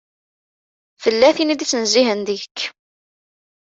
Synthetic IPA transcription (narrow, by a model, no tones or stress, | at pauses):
fəlːæθinid̪it͡sːnziɦənd̪əəkː